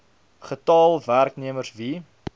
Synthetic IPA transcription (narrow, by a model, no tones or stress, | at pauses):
χətɑːlˠværkniəmərsvi